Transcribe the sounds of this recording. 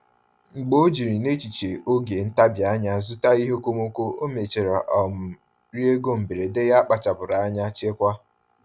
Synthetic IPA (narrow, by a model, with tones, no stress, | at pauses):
ŋ͡m̩˨ɡ͡bo˦o˦d͡ʒi˨ɾi˨ne˦t͡ʃi˨t͡ʃe˨ʔo˦ɡe˨n̩˦ta˦bja˨˦ɲa˦zʊ˦ta˦i˦ɦo˦ko˦mo˦kʷo˦o˦me˨t͡ʃe˨ɾa˨ʔɔ˨m̩˨ | ɾi˦e˦ɡo˦m̩˨bi˨ɾe˨de˦ja˦k͡pa˨t͡ʃa˨bʊ˨ɾa˨a˦ɲa˦t͡ʃe˦kʷa˦